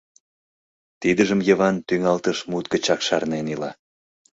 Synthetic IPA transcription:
t̪id̪əʒəmjə̆βɑnt̪yŋɑlt̪əʃmut̪̚kə̆t͡ɕɑkʃɑrnenilɑ̰

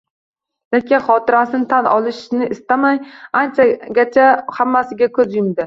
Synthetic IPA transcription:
lekʲʰaχɒt̪ʰɪɾasɪnɪt̪ʰanɒ̰lˠɪʃnɪʔɪst̪amajant͡ʃʰaɡʲat͡ʃʰahamːasɪɡʲakʰɵzjʊmd̪ɪ

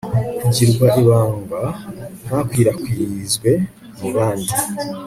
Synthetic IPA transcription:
uɟiɾɡwaʔiβaːŋɡahakwiːɾakwizɡwe̞ | muβaːndi

